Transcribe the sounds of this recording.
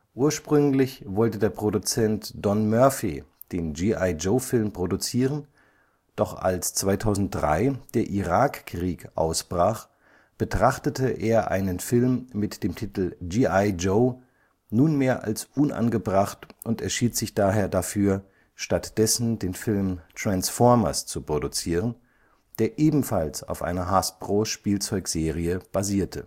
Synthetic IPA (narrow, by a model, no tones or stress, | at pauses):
ʔuːɐʃpʁ̥ʏŋlɪçvɔltədeːɐpʁ̥odut͡sɛntd̥ɔnmœɐfi | d̥eːnd͡ʒiːʔaɪd͡ʒoʊfɪlmpʁ̥odut͡siːʁən | d̥ɔχa̰lst͡sv̥aɪtʰaʊzn̩t̚d̥ʁa̰ɪd̥eːɐʔiʁaːkkʁ̥iːkʔa̰ʊsb̥ʁaːχ | b̥ətʁ̥aχtətəʔeːɐʔa̰ɪnənfɪlmːɪtd̥eːmtʰitl̩d͡ʒiaɪd͡ʒoʊ | nuːnmeːɐʔa̰lsʔʊnʔa̰nɡəbʁaχtʔʊntɛɐʃiːtz̥ɪçd̥aːɦeːɐdafyːɐ | ʃtatd̥ɛsn̩deːnfɪlmtʁ̥ansfɔɐmɐ̰st͡supʁ̥odut͡siːʁən | d̥eːɐʔeːbm̩falsa̰ʊfʔa̰ɪnɐɦasb̥ʁ̥oːʃpiːlt͡sɔʏkz̥eːʁiəb̥aziːɐtʰə